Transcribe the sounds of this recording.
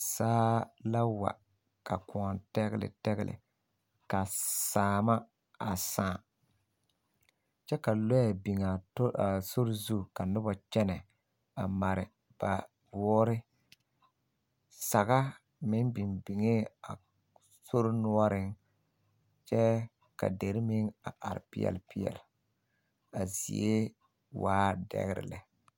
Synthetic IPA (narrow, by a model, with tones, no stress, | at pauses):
saː˦la˦wa̰˨ | ka˨ku˨a˨ntɛ˦ɣɪ˦lɪ̰˨tɛ˦ɣɪ̰˦lɪ̰˨ | ka˨saː˨ma˦ | a˨sãː˦˨ | t͡ʃɛ˦ka˨lo˦ja˨bi˨ŋa˨˦a˨so˦ɾzu˦˨ka˨nʊ˦ba˨t͡ʃɛ˦nɛ˨ | a˨ma˨ɾɪ̰˨ | b̥a˨ | bʊ˨˦ɔ˦ɾɪ˦ | sa˨ɣa˦ | mɪ˨˦nbi˨mbi˨ŋe˦a̰˨ | so˦ɾnʊ˦ɔ˦ɾɪ˦ŋ | t͡ʃɛ˦ | ka̰˨de˨ɾɪ˦mɪ˦ŋa˨ʔa̰˨ɾɪ̰˨pɪ˦ɛ̰˨lpɪ˦jɛ̰˨l | a˨zḭ˨e˦ | waː˦dɛ̰˦ɣɪ̰˦ɾɪ̰˨lɛ̰˨